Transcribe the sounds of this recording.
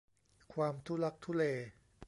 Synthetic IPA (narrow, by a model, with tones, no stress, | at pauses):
kʰwaː˧mt̪ʰu˦˥la˦˥k̚t̪ʰu˦˥leː˧